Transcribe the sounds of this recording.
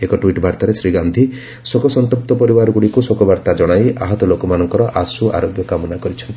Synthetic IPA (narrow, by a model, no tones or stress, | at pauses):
ekɔʈwiʈbʱaɾt̪aɾesɾiɡand̪ʱi | sokɔsɔnt̪up̚t̪ɔpɔɾibaɾɔɡuɽikusokɔbʱaɾt̪ad͡ʒɔɽ̃ajʔaɦɔt̪ɔlokɔmanɔŋkɔɾɔʔasuʔa̰ɾoɡjɔkamɔnakɔɾit͡ʃʰɔnt̪i̥